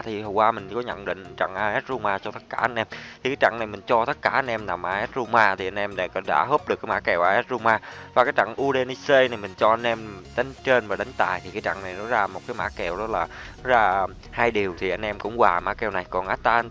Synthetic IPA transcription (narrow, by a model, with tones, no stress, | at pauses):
t̪ʰi˨˩hə˨˩wwaː˧mï˨˩ŋ̟kɔ˨˦ɲə̰˧˨nɗḭ̈˧˨ŋ̟t͡ɕa̰˧˨ŋʔaː˧ʔɛ˦˥t̚zu˧maː˧t͡ɕɔ˧t̪ə˦˥t̚kaː˧˩ʔa˧nʔɛ˧mt̪ʰi˨kaː˨˦jt͡ɕa̰˧˨ŋna˨˩jmï˨˩ŋ̟t͡ɕɔ˧t̪ə˦˥t̚kaː˧˩ʔa˧nʔɛ˧mna˨˩mʔaː˧ʔɛ˦˥t̚zu˧maː˧t̪ʰi˨˩ʔa˧n̟ʔɛ˧mɗɗa̰ː˧˥ɦə˦˥p̚ɗɨ˨˩kaː˨˦ma̰ː˧˥kɛ˨˩wʔaː˧ʔɛ˦˥t̚zu˧maː˧vaː˨˩kaː˨˦jt͡ɕa̰˧˨ŋʔu˧ɗe˧ni˧se˧jna˨˩jmï˨˩ŋ̟t͡ɕɔ˧ʔa˧jnʔɛ˧mɗa˨˦ŋ̟t͡ɕe˧nvaː˨˩ɗa˨˦ŋ̟t̪a̰ː˨˩jt̪ʰi˨˩kaː˨˦jt͡ɕa̰˧˨ŋna˨˩jnɔ˨˦zaː˧m˨˩t̚kaː˨˦jma̰ː˧˥kɛ˨˩wɗɔ˨˦laː˨˩˦ | zaː˧ | haː˧jɗi˨˩əwt̪ʰi˨˩ʔa˧j̟ʔɛ˧mkʊ̰˧˥ŋ͡mwaː˨˩ma̰ː˧˥kɛ˨˩wna˨˩jkɔ˨˩nʔaː˦˥t̚t̪aː˧n